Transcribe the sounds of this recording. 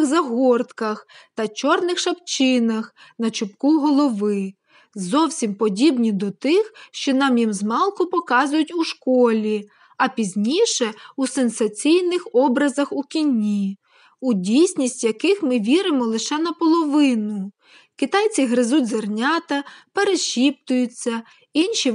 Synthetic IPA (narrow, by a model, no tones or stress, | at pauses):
xzɐɦɔrt̪kɐxt̪ɐt͡ʃɔrnɪxʃɐpt͡ʃɪnɐxnɐt͡ʃʊpkuɦɔlˠɔʋɪ | zɔwsʲimpɔdʲibnʲid̪ɔt̪ɪxʃt͡ʃɔnɑmjimzmɑlˠkʊpɔkɑzʊjʊtʲuʃkɔlʲi | ɐpʲizʲnʲiʃɛusensɐt͡sʲijnɪxɔbɾɐzɐxukʲinʲːi | udʲijsʲnʲisʲtʲjɐkɪxmɪʋʲiɾɪmɔlˠɪʃɛnɐpɔlˠɔʋɪnʊ | kʲit̪ɑjt͡sʲiɦɾɪzudʲzɐrnʲɑt̪ɐpeɾeʃʲip̚t̪ʊjʊt͡sʲːɐ | inʃi